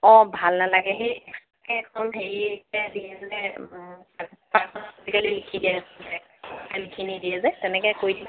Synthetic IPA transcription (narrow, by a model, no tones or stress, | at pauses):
ɔ̃bʱalnalaɡɛɦejɛkʰakɛɛkʰɔnɦeɹietadiɛzɛɛ | apasɔnaozikalilikʰidiɛstɛ | alikʰinidiɛzɛtɛnɛkɛkojdib